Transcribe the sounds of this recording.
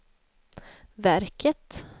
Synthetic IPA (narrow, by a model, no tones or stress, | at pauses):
væɾkʰət̪